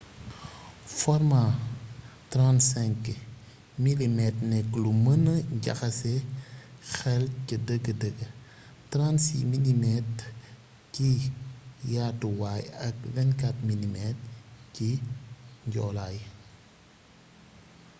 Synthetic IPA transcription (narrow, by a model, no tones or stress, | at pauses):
fɔɾma | tɾansɛŋk | milimɛtnɛkːlumənəɟɐ̰xɐsɛ | xɛlcədəɡədəɡə | tɾansḭminimɛt | ci | jatuwaːjɐk̚vɛnkatminimɛt̚ci | ɲɟɔ̰ːlaj